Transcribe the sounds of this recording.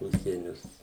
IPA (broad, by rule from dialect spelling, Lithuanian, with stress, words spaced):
ˈʊʃʲsʲiɛnʲʊs